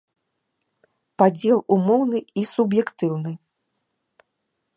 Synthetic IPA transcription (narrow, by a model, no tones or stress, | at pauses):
pad͡zʲɛlˠumɔwnɨisubjɛkt̪ɨwnɨ